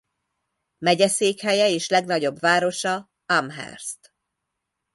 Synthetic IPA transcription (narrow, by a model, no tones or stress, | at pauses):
mɛɟɛseːkhɛjɛeːʃlɛɡnɒɟo̞bvaːɾo̞ʃɒ | amɦɛ̰rst̪